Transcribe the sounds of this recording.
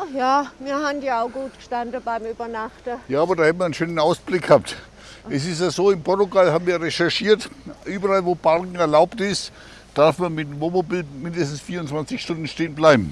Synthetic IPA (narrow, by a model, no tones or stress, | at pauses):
ajaːmiːɐhandjaʊɡuːt̚ɡ̥əʃtandəbaɪmyːbɐnaχtəjaːaːbɐdaːhɛtm̩viɐənʃøːnənaʊsb̥lɪk̚ɡ̥haːp̚t | ʔɛsɪstjazoːɪmpʰɔɐtuɡalhaːbm̩viːɐʁɛʃɛɐʃiːɐtʔyːbɐʁalvoːpʰaʁkŋ̩ɛɐlaʊptɪst | d̥aɐfmɐnmɪtvomobilmɪndəstn̩sfiːɐʊnt͡sv̥ant͡sɪçʃtʊnd̥n̩ʃteːənblaɪbm̩